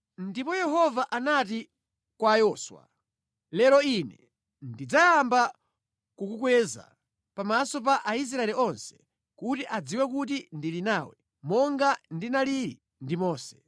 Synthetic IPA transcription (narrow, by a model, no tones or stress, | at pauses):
ndipɔjɛɦɔvaʔanati | kwajɔːswa̰ | lɛɾɔinɛ | ndid͡zajamba | kukukwɛza̰ | pamasɔp̬aʔais̬ɾaɛliɔnsɛ̥ | kutiʔad͡ziwɛk̬ut̬indilinaːwɛ̰ | mɔŋɡandinaliɾi | ndimɔːsɛ̥